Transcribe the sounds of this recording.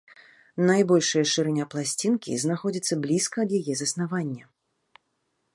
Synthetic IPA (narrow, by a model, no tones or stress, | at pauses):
najbɔlʲʂɨjɐʂɨɾɛnʲaplˠasʲt͡sʲinkʲḭznaxɔd͡zʲit̪sːɐblʲiskɐːd̪jajɛzɐsnavanʲːɐ